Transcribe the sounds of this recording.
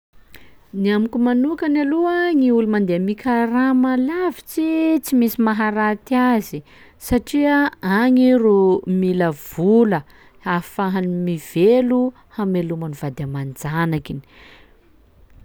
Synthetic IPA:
niamikʲumanukanaluaŋiulumand̪eamikʲʰaramalavit͡sit͡simisimaɦaɾat̪iazi | saʈ͡ʂiəaŋirumiləv̥ulə | afaɦanimiv̥elu | hamelumanuvad̪amand͡zanakini̥

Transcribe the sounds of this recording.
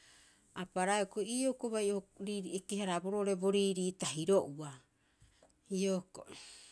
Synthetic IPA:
apaɾaeokoiːokoβajoɾiekeɦaɾabo̞ɾo̞ʔɾe̞bo̞ɾiːɾiːtaɦiɾo̞ʔua | ioko̰

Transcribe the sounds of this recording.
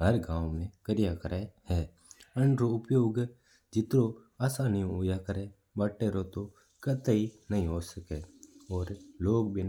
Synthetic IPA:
ɦəɾɡãːwmẽkəɾɪjakəɾʔeɦɛː | ə̃ɳɖɾoʊpjoːɡ | d͡ʒɪt̪ɾo | aːsaːnijõoːjaːkəɾe | bəʈːeːɾot̪o | kət̪əinəɦĩɦoːsəkeːɔːɾloːɡ̚bin

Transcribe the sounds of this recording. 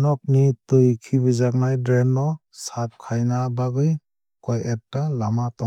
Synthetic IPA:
nɔk̚nitɯjkʰibɯzak̚najdɾenːɔ | sap̚kʰajnabaɡɯj | kɔjetːalamatɔ

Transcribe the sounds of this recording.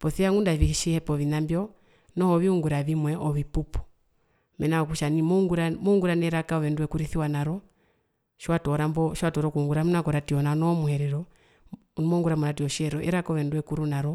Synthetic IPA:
pɔθiaŋɡundaviʃihɛpɔβinambjɔ | nɔhɔβiuŋɡuɾaβimwɛʔɔβipupu̥ | mɛnaɔkuʃanimɔŋɡuɾamɔŋɡuɾanɛɾakaɔβɛnduwɛkuɾiθiwanaɾɔ | ʃwatɔɾambɔʃwatɔɾɔkuuŋɡuɾamunakɔɾatiɔnanɔmuhɛɾɛɾɔ | nmɔŋɡuɾamuɾatiɔʃiɛɾɔʔɛɾakaɔβɛnduwɛkuɾunaɾɔ

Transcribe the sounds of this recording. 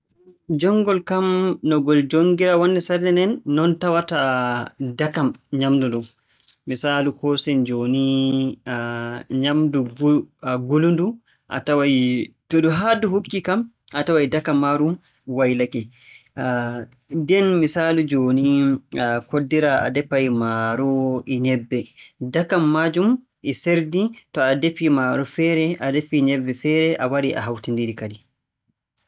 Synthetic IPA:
d͡ʒɔŋɡɔlkamnɔɡɔld͡ʒoŋɡiɾawɔnːɛsadɛnɛnːɔntawata | dakamɲamduɗum | misaːlukɔsɛnd͡ʒoːni | ɲamdu | ɡulundu | ʔa̰tawaj | tɔɗuɦaduɦukːikam | ʔatawajdakamːaɾum | wajlakɛ | dɛnmisaːlud͡ʒoːni | kodːiɾaa̰dɛpːajmaɾɔʔɛɲɛbːɛdakamːad͡ʒum | ʔɛseɾditɔadepːimaɾufɛːɾɛʔadepːiɲɛbːɛfɛːɾɛʔawaɾiʔa̰ɦawtindiɾikadi

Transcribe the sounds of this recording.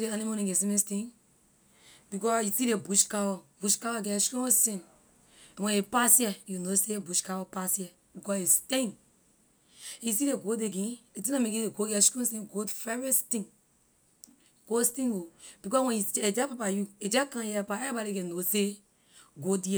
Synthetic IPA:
deanimonĩɡesĩmĩstĩn | bikɔjusiɾebuʃkawɔbuʃkawɔɡɛskɔ̃sĩñ | wɛ̃nepasjɛjunosebuʃkawɔpasjɛ | bikɔestẽn | isiɾeɡodeɡĩet̬ĩnãmẽkieɡoɡɛskɔ̃sĩnɡodfɛɹɛstĩŋ | ɡ̥ostĩob̥ikɔswɛ̃njued͡ʒɛpapajued͡ʒɛkãjɛapaɛɾibɔɾiɡenose | ɡodiɛ

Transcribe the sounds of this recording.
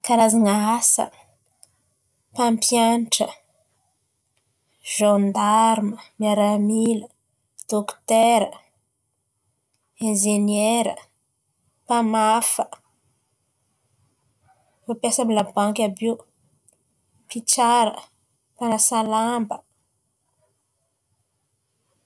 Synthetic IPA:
kaɾazanaasə̰ | pampjanʈ͡ʂə̰ | ʒãnd̪aɾməmiaɾamilə | d̪̥okt̪eɾə | ẽnʒeneɾə̰ | pamafə | fapjasamilabãŋkʲabe | pit͡ʃaɾə̰ | panasalambə

